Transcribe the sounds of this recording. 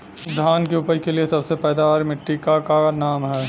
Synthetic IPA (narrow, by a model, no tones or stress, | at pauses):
d̪ʱaːnkeʊpəikeliesɐbsepɛːd̪aaːɾmɪʈːikakanaːmɦɛː